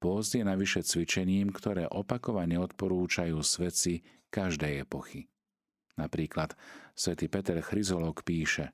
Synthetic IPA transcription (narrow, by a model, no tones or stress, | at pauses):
pʊɔzd̪jɛnaʋiʃɛt͡sʋit͡ʃɛɲiːmkt̪ɔɾɛːʔɔpakɔʋaɲɛɔt̪pɔɾuːt͡ʃajuːsʋɛt͡si | kaʒd̪ɛjɛpɔxi | napɾiːklat̪sʋɛt̪iːpɛt̪ɛɾxɾizɔlɔkpiːʃɛ